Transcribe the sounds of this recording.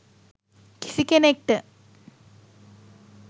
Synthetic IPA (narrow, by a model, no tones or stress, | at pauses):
ki̥sikːenek̚ʈɨ